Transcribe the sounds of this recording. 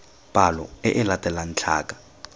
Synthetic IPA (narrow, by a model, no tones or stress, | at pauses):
b̥ʱalɔ̰ɛʔɪlatʼɛlan̩t͡ɬʰa̰ːkʼḁ